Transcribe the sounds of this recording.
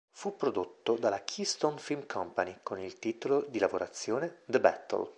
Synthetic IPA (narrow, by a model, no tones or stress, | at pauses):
fupːɾod̪ot̪ːod̪alːakʰist̪onfilmkʰɔmpanikonilt̪iːt̪olod̪ilavoɾʔat̪sːjoːned̪əbɛ̰t̪ːo̰l